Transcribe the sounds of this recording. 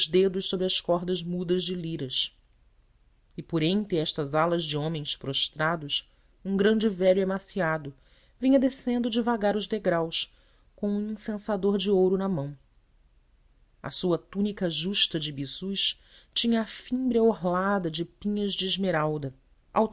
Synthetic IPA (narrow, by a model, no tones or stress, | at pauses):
zd̪ed̪ʊʃsobɾɪɐskɔɦd̪ɐzmud̪ɐzd͡ʒɪliɾɐs | ɪpoɾẽnt̪ɾɪɛʃt̪ɐzalɐzd͡ʒɪõmẽj̃spɾoʃt̪ɾad̪ʊs | ũɡɾɐ̃nd͡ʒɪvɛʎuemasiad̪ʊ | vĩɲɐd̪esẽnd̪ʊd͡ʒɪvaɡaɾʊzd̪eɡɾaws | kõw̃ũĩsẽsad̪oɾd͡ʒɪowɾʊnɐmɐ̃w̃ | ɐ̰suɐt̪unikɐʒuʃt̪ɐd͡ʒɪbiz̥uʃ | t͡ʃĩɲɐːfĩmbɾiɐoɦlad̪ɐd͡ʒɪpĩɲɐzd͡ʒɪːʒmeɾawd̪ɐ | a̰w